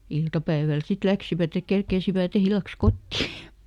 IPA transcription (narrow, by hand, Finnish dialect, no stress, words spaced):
iltɑpæiʋæl sit læksiʋæt ek kerkeisiʋæt ilːɑks kotːi